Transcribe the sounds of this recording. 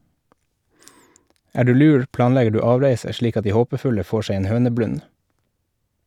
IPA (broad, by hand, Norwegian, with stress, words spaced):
ˈæː ˈɖʉː ˈlʉːɾ ˈplɑːnˌlɛɡə ˈɖʉː ˈɑːʋɾeɪsə ˈʃɭiːk ˈɑt ˈdiː ˈhoːpəˌfʉlə ˈfoː ˈʃeɪ ˈeːn ˈhøːnəˌblʉn